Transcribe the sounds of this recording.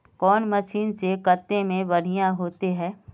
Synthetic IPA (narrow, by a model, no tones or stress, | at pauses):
kɔːnmɐʃiːnsekɐt̪ːemẽbɐɽ̤ijãɦoːt̪eɦɛ̃ː